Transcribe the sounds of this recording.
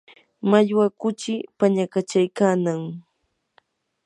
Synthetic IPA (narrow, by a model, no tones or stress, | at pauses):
maʎwakʊt͡ʃɪpaɲakat͡ʃajkaːnaŋ